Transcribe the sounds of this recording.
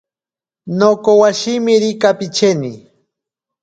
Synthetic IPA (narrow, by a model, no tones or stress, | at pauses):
nokowaʃimɪɾɪkapɪt͡ʃeni